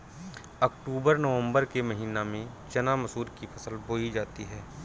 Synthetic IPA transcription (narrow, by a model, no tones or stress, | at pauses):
ɐkʈuːbəɾnəʋə̃mbəɾkemɐɦiːnamẽ | t͡ʃɐnamɐsuːɾkifʰɐsəlboːid͡ʒaːt̪iɦɛː